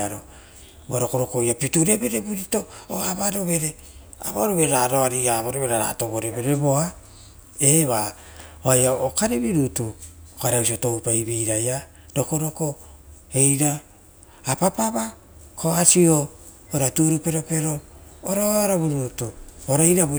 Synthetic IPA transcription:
aɾo | uaɾoko̞ɾo̞kojapituɾebe̞ɾebuɾito̞oaβaɾo̞βe̞ɾe̞ | a̰βa̰ɾoβeɾaɾoaɾiaβaɾoβeɾaɾa̰to̞βoɾe̞βe̞ɾe̞βo̞a | eβa | oajaokaɾeβiɾutuokaɾeawsioto̞wpaibiɾaja | do̞ko̞ɾo̞ko̞e̞jɾaː | papaβa | kʰoasio | oɾatuɾupe̞ɾo̞pe̞ɾoːɾoaɾaβuɾutuoɾaiɾab

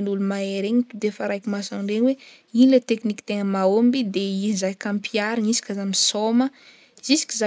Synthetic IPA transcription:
nulumaeɾeɲit̪ud̪efaɾajkʲimasanɳɖ͡ʐeɲwe | inilet̪ekniki̥t̪eŋəmaombid̪eizajkampʰiaɾaŋisi̥kʲazamisomə | zisi̥kʲiza

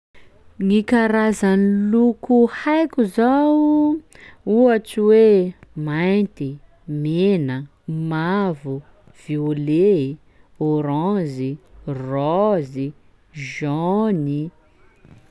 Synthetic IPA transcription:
ŋikaɾazanilukuhajkʲuzaw | uaʈ͡ʂiwemajnt̪i | menə | mavu | v̥iole | oɾɔ̃zirɔzi | ʒɔni

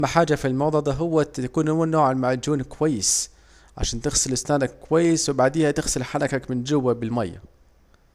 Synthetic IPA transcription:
mːaħaːd͡ʒafilmɑwd̪ˤɑd̪ˤɑɦʊwːaakuːnʊmuːnnːoːʕanmaʕd͡ʒuːnkwajːɪs | ʕa̰ʃaːnt̪ɪɣsɪlʔɪsnaːnakːʊwajːɪswɪbaʕd̪iːhat̪ɪxsɪlħaɾˤɑkakmɪnd͡ʒʊwːabɪlma̰jːa̰

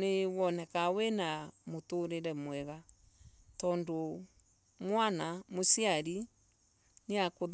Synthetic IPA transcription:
newɔnɛkawɛnamotoɾeɾɛmwɛɣa | tɔːndo | mwanamosiaɾi | neakoð

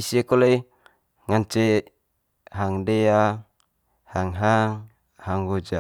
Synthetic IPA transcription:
isiekolei | ŋant͡ʃe | ɦaŋdea | haŋɦaŋ | haŋɡod͡ʒa

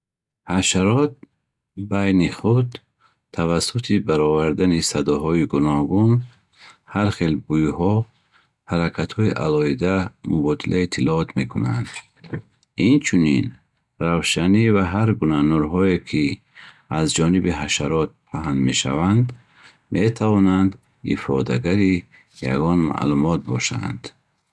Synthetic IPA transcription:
haʃaɾɔt̪̚ | bajniχud̪ | t̪ʰːavasut̪ʰibaɾɔvaɾd̪anisad̪ɔɦɔiɡunɔɡun | haɾχelbujuhɔ | haɾakʰat̪hɔiʔa̰lɔhid̪amubɔd̪ilʔait̪ʰilɔɔt̪ʰme̞kʰuna̰nd̪̥ | int͡ʃʰunin | ravʃanivaɦaɾɡunanuɾɦɔekʰi | azd͡ʒɔnibiɦaʃaɾɔt̪̚pʰaɦand̪me̞ʃa̰vand̪ | me̞t̪ʰavɔnand̪ | ḭfɔ̰d̪a̰ɡaɾi | ja̰ɡɔnma̰ʔlumɔt̪̚bɔʃa̰nd̪̥

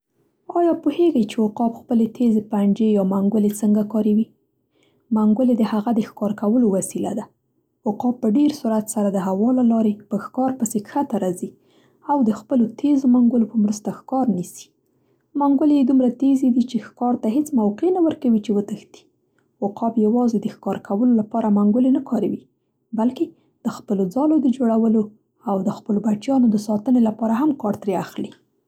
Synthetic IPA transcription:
ɑjɑpuheɡajt͡ʃewʊqɑbxpəlet̪ʰezepaɳd͡ʒejɑmaŋɡʊlet͡səŋɡakɑɾewi | maŋɡʊled̪əhaɣad̪əxkɑɾkawəlowasila̰d̪a | ʊqɑpːəɖeɾsuɾat̪saɾad̪əɦawɑlalɑɾepəxkɑɾpəsekxat̪aɾɑzi | awd̪əxpəlot̪ʰezomaŋɡʊlopəmɾəst̪axkɑɾnisi̥ | maŋɡʊlejed̪umɾat̪ezed̪it͡ʃexkɑɾt̪aɦet͡smawqenawəɾkawit͡ʃewət̪əxt̪i̥ | wʊqɑbjawɑzed̪əxkɑɾkʰawəlolapɑɾamaŋɡʊlenakʰɑɾawi | balke | d̪̥əxpəlod͡zɑlod̪əd͡ʒoɽawəlo | awd̪əxpəlobaʈjɑnod̪əsɑt̪ənelapɑɾaɦamkɑɾt̪ɾeaxli

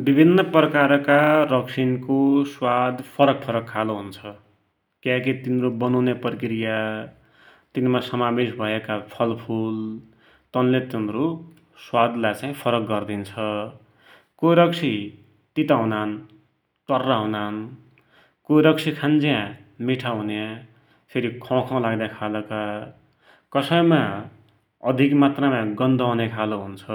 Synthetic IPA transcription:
bibʱinːʌprʌkaɾkarʌksʰinkoswad̪pʰʌɾʌk̚pʰʌɾʌkʰːaloɦunt͡sʰʌ | kjãkit̪inrobʌnawneprʌkɾija | t̪inmasʌmabesbʱʌekapʰʌlpʰul | t̪ʌnlet̪inɾo | swad̪lat͡sãĩpʰʌɾʌk̚ɡʌrd̪int͡sʰʌ | koɾʌksʰi | t̪it̪aɦunan | ʈʌrːaɦunan | koɾʌksʰikʰand͡zijã | miʈʰaɦunjã | seɾikʰʌ̃kʰʌ̃laɡd̪akʰalʌka | kʌsʌjma | ʌd̪ʱikmat̪ramãɡʌnd̪ʱʌɦnekʰaloɦunt͡sʰʌ

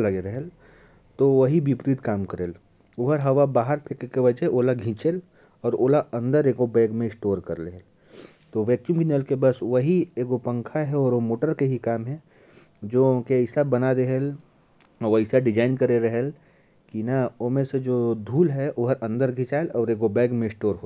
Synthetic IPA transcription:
lɐɡeɾəɦel | t̪oʋɐɦibipɾiːd̪kaːmkəɾeːl | oɦəɾɦɐʋabaːɦəɾpʰekekeʋɐd͡ʒɛoːlaɡʱĩt͡ʃel | ɔːɾoːlaʔɐ̃nd̪əɾeːkobɛːɡmẽsʈoːɾkɐɾleɦl | t̪oʋɛːk̚jumkinəlkebɐsʋəɦieːɡopə̃ŋkʰaɦɛɔːɾomoːʈəɾkeɦikaːmɦɛ̃ | d͡ʒoːkeəɪsabɐnad̪eɦel | əɪsaɖɪd͡ʒaːɪnkəɾeɾəɦel | kinɐomẽsed͡ʒoːd̪ʱuːlɦɛʔoɦəɾɐ̃nd̪əɾɡʱĩt͡ʃaːelɔːɾeːɡobɛːɡmẽɪsʈoːɾɦo

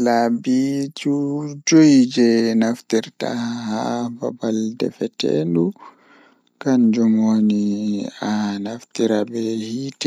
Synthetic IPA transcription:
labid͡ʒud͡ʒojd͡ʒɛnaftiɾta̰haba̰baldɛ̰fɛtɛ̰ndu | kand͡ʒɔmonianaftiɾabɛhitɛ

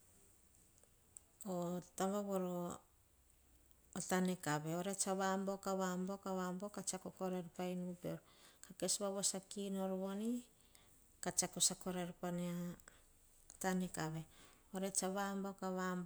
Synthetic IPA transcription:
otambaβoɾo | tanekaβeoɾet͡ʃaβambo̞kaβambo̞kaβambokat͡ʃakoko̞ɾeɾpajnupeɾkake̞sβaβosakinoɾβo̞ni | kat͡ʃakosako̞ɾeɾpana | tanekaβe̞ | oɾet͡ʃaβambo̞kaβambo

